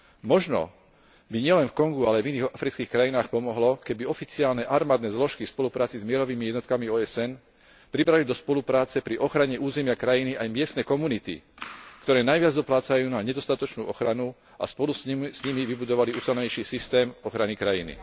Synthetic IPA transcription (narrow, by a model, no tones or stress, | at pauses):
mɔʒnɔ̰ | biɲɪɛlɛnfkɔŋɡualɛviniːɣafɾit͡skiːxkɾajinaːxpɔmɔɦlɔkɛbiɔfit͡siaːlnɛʔaɾmaːd̪nɛːzlɔʃkifspɔlupɾaːt͡sizmɪɛɾɔʋiːmijɛd̪nɔt̪kamiɔːɛsɛn | pɾibɾalid̪ɔspɔlupɾaːt͡sɛpɾiʔɔxɾaɲɛʔuːzɛmɪakɾajiniʔajmɪɛst̪nɛkɔmunit̪ḭkt̪ɔɾɛːnajʋɪad͡zd̪ɔplaːt͡sajuːnaɲɛd̪ɔst̪at̪ɔt͡ʃnuːʔɔxɾanu | a̰spɔlussɲimiʋibud̪ɔʋaliuːsɛlɲɛjʃiːsist̪ɛːmɔxɾanikɾajḭnḭ